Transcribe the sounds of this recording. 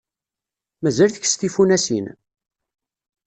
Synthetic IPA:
mæzælθəçst̪ifunæsin

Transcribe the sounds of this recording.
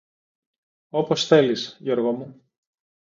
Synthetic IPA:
o̞po̞sθe̞lisʝo̞ɾɣomu

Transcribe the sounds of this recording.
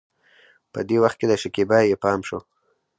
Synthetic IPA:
pəd̪ewaxt̪̚ked̪əʃɪkibɑjepɑmʃo

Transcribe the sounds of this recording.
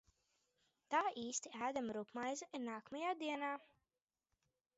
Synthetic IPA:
t̪aːʔiːst̪iæːd̪amɾukmajzaiɾnaːkmajaːd̪iɛnaː

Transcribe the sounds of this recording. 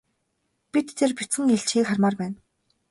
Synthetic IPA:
pit̪ːʰerpit͡sɘ̆ŋeɬt͡ɕxiːkχarmaːrpæːn

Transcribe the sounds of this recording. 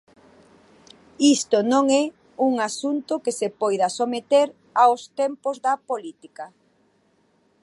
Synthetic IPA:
ist̪onõŋɛ | uŋasunt̪ʊkesepɔjðɐsomet̪eɾ | awst̪empozðɐpolit̪ika

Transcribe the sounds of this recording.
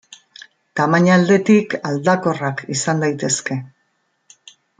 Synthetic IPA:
t̪amaɲald̪e̞t̪ikald̪ako̞rakisand̪ajt̪e̞ske̞

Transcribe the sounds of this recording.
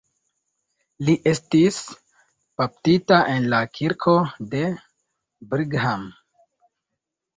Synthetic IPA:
liʔe̞stis | paptitaʔe̞nlakʰiɾkʰo̞de̞ | bɾiɡɦam

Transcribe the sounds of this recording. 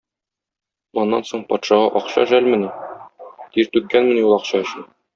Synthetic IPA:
ɒnːɑnsoɴpɒt̪ʃɑʁɑʔɒqɕɑ̰ʃælmɘ̆nɘ | t̪iɾt̪ʉkːænmɘ̆njulˠɒqɕɑɵ̆ɕɘn

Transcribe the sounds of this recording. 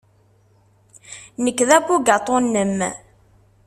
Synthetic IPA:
nəkːðæbuɡɑt̪ˤːonːəm

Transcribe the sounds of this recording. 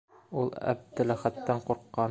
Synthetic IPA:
ulˠæ̰b̚d̪ɘlæχæt̪ːæɴquɾqːɑ

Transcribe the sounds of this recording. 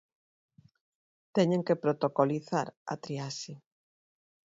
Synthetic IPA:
t̪ɛɲeŋkepɾot̪okoliθaɾa̰t̪ɾiasi

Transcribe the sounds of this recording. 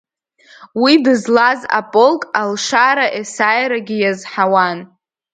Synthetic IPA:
widɨzlaza̰pʼolkʼalʂaɾaʔesajɾaɡʲɪjazħawan

